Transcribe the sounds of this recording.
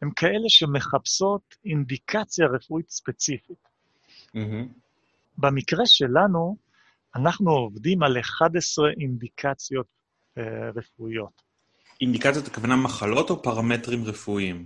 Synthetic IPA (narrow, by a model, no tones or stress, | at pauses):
hemkʰae̞le̞ʃe̞me̞χapso̞t̪ind̪ikʰat͡sjaʁefuit̪spe̞t͡sifit̪̩ | h̩ | bemikʁe̞ʃe̞lanu | anaχnuovdimaleχad̪esʁeʔind̪ikʰat͡sjo̞t̪ | ʁefuijo̞t̪ | ind̪ikat͡sjot̪ḁkavanamaχalo̞t̪opaʁametʁimʁefuim